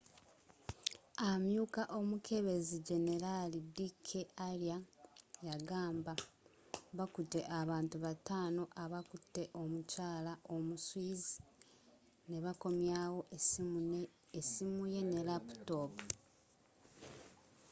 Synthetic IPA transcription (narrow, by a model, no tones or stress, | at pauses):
amjuːkaʔo̞mukʰe̞βe̞ziɟe̞ne̞ɾalidikʰeʔaljajaɡaːmba | βakutːe̞ʔaβaːntuβataːno̞ʔaβakutːe̞ʔo̞mucaːlaʔo̞muswiːzi̥ | ne̞βako̞mjaːwo̞ | esimuje̞ne̞lapu̥topu